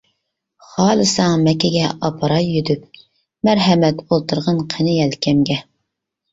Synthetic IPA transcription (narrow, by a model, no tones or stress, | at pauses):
χɑːlˠɨsɑŋmɛkʲɛɡʲɛʔɑpʰɑɾɑjːyd̪yp̚ | mæɾɦɛmɛt̪bolˠt̪ʰuɾʁɑnqʰenɪjɛlkʲʰɛmɡʲɛ